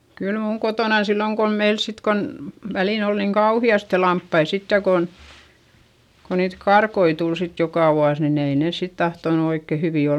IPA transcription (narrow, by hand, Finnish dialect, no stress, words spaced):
kyl muːŋ kotoˑnɑn silːoŋ kom meil sit kon ʋæliˑn ol niːŋ kɑuhiɑste lɑmpːɑi sitːe kon ko niːt kɑrkoi tul sit jokɑˑ ʋuɑs nin ei neˑs sit tɑhtonu oikːe hyʋiˑ ol